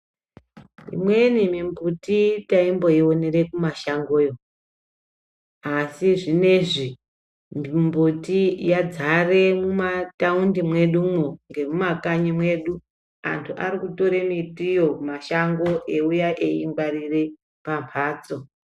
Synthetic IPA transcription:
ḭmwe̞nimimbutitaimbo̞ionere̞kumaʃaŋɡojo | asiʐine̞ʐi | mimbutijad͡zare̞mumataundimwe̞ɗumuŋɡe̞mumakaɲimwe̞ɗu | a̰ntʰuʔa̰ɾikuto̞ɾemitijoumaʃaŋɡo̞ʔeujaʔeiŋbarire̞ | pampʰaːt͡so̞

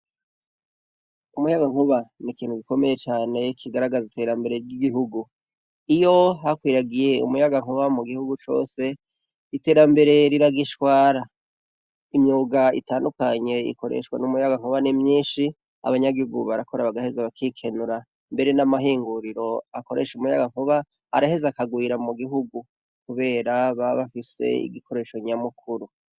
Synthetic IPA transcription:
umujaɡaŋ̥uβanikiːnhuɡiko̞me̞je̞t͡ʃaːne̞kʰiɡaɾaɡazite̞ːɾambe̞ɾe̞ɾɟiɡiɦuɡu | ijo̞ɦakwiːɾaɡije̞ṵmujaɡaŋuβamuɡihuɡut͡ʃo̞̰ːse̞ | ite̞ːɾambe̞ɾe̞ɾiɾaɡiʃkwaːɾa | imɲuːɡaḭtaːndukaɲe̞ḭko̞ɾḛʃwa̰numujaɡaŋ̥uβanimɲiːnʃi | a̰βaɲaɡihuɡuβaɾako̞ɾaβaɡahe̞zaβakʰikʰe̞nuɾa | mbe̞ɾe̞namaɦiːŋɡuɾiɾo̞ako̞ɾe̞̰ʃumuja̰ɡaŋ̥uβa | a̰ɾahe̞zakaɡwiːɾamuɡiɦuɡu | kuβe̞ːɾaβaβafise̞̰ḭɡikʰo̞ɾe̞ʃo̞ɲamukʰuɾu

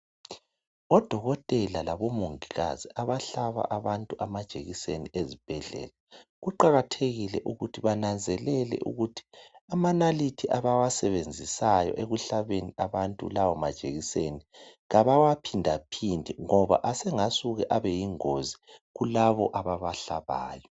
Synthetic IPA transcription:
ɔd̥ʱɔɣɔtʼɛlalaβɔmoŋiɣa̰ziaβaɬaβa̰ʔaβantʼuʔamad̥ʒ̥ʱḛɣiseniʔezib̥ʱɛɮɛ̰ːlaɣuǃaɣatʰeɣilɛʔuɣutʰiβanand͡zʱɛlɛlɛ̰ʔṵɣutʰi̥amanalitʰiʔaβawasɛβend͡zʱisajɔ̰ʔeɣuɬaβeniaβantʼṵlawɔmad̥ʒ̥ʱeɣiseniɣaβawapʰindʱapʰindʱiŋɔβa̰ʔasɛŋasuɣɛʔaβɛjiŋoziɣulaβɔ̰ʔaβaβaɬaβa̰ːjɔ

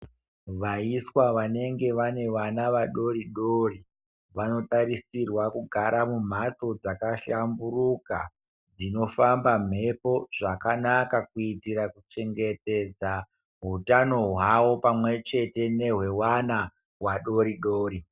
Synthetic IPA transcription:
ʋaiswaʋane̞ŋɡe̞ʋane̞ʋanaʋaɗo̞ɾiɗoːri | ʋano̞taɾisirwakuɡʱaɾʔamum̤at͡so̞d͡zakaʃamburuka | d͡zino̞fambam̤e̞po̞ʐ̥akanakakuitiɾakut͡ʃe̞ŋɡe̞te̞d͡za | ɦutano̞ɦwaʋo̞pamwe̞t͡ʃe̞te̞ne̞ɦwe̞wana | waɗo̞ɾiɗoːɾi

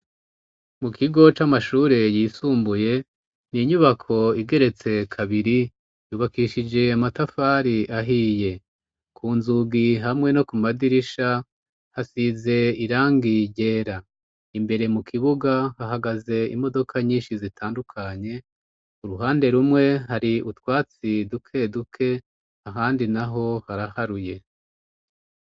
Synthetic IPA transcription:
mukʰiɡo̞t͡ʃamaʃuːɾe̞jisuːmbuje̞ | niɲuβakʰo̞iɡe̞ɾe̞t͡se̞kʰaβiɾi | juːβakiʃid͡ʒe̞amatafaːɾiʔaɦiːje̞ | kʰuːnzuɡiɦamŋe̞no̞kumadiɾiʃa | hasize̞iɾaːŋɡiɟe̞ːɾa | imbe̞ɾe̞mukʰiβuɡahaɦaɡaze̞ḭmo̞do̞kʰaɲiːnʃizitʰaːndukʰaɲe̞ | uɾuɦaːnde̞ɾumŋe̞ɦaɾiutwaːt͡sidukʰe̞dukʰe̞ | aɦaːndinaɦo̞haɾahaɾuje̞

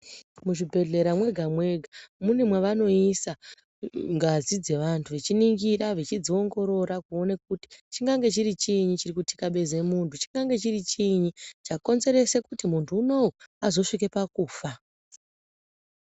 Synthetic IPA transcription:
muʐibʱe̞ɮe̞ɾamwe̞ɡʱamwe̞ɡʱamunemweʋano̞isa | ŋɡazid͡ze̞ʋantʰuʋet͡ʃiniŋɡiraʋet͡ʃid͡zio̞ŋɡo̞ɾo̞ɾakuone̞k̚uti̥t͡ʃiŋɡaŋɡe̞t͡ʃiɾit͡ʃiɲit͡ʃirikuti̥kaɓe̞ze̞muntut͡ʃi̥ŋɡaŋɡe̞t͡ʃirit͡ʃiɲit͡ʃako̞nze̞ɾe̞se̞kutimuntʰuːno̞wuazo̞ʂik̬e̞pakuːfa

